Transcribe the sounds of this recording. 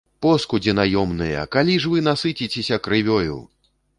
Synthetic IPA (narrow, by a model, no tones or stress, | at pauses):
pɔskud͡zʲɛnajɔmnɨjɐ̰kalʲiʐvɨn̪asɨt͡sʲit͡sʲesʲɐkɾɨvʲɔjṵw